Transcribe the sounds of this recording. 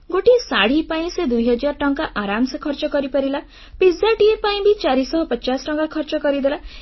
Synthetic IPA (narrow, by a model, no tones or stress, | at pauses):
ɡoʈisaɽ̤ipaĩsed̪ujɦɔd͡ʒaɾʈɔŋkaʔaɾamsɔkʰɔɾt͡ʃɔkɔɾipɔɾila | pizaʈiepaĩbʱit͡ʃaɾisɔɦɔpɔt͡ʃasʈɔŋkakʰɔɾt͡ʃɔkɔɾid̪ela